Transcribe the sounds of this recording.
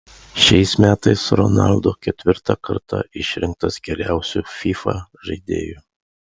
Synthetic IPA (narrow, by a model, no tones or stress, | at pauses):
ʃʲɛɪsmʲæːt̪ɐɪsɾɔnɑ̰lˠd̪oːkʲɛt̪ʲʋʲɪɾt̪ɐkɐɾt̪ʰɐ̰ʔɪʃʲɾʲɪŋk̚t̪ɐsɡʲɛɾʲæˑʊsʲufʲifɐ̰ʒɐɪd̪ʲḛːju